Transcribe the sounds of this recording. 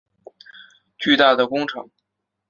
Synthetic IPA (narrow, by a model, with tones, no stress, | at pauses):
t͡ɕy˥˧t̪a˥˩d̪ə˩kʊ˥ŋʈ͡ʂʰɤ̰˧˥ŋ